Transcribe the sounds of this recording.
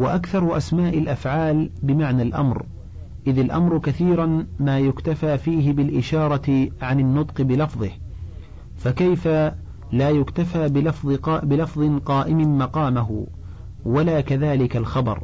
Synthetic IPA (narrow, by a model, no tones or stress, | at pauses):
waʔakθɑɾˤʊʔasmaːʔɪlʔafʕaːlbɪmaʕnalʔa̰mɾ | ʔɪðalʔa̰mɾʊkaθiːɾˤanmaːjʊkt̪afaːfiːɦɪbɪlʔɪʃɑːɾˤɑʕanɪnːʊt̪ˤqɨbɪlɑfðˤɨh | fakajfa | laːjʊkt̪afaːbɪlfðˤbɪlɑfðˤɨqɑːʔɪmɪmɑqɑːmaɦʊ̰ | walaːkaðaːlɪkalxɑbɑ̰ɾˤ